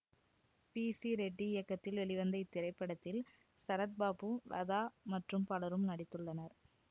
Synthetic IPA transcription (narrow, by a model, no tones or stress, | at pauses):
piːsiɾɛɖːiɪjɐkːɐt̪ːɪlʋɛɭɪʋɐnd̪ɐɪt̪ːɪɾɐɪpːɐɽɐt̪ːɪl | sɐɾɐt̪̚baːpɯlɐ̰ðaːmɐʈrɯmpɐɭɐɾɯmnɐɽɪt̪ːɯɭːɐnɐɾ